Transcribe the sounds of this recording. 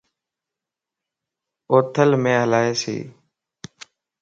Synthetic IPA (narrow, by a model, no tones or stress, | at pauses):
oːt̪ʰəlmẽːɦəlaːeːsḛː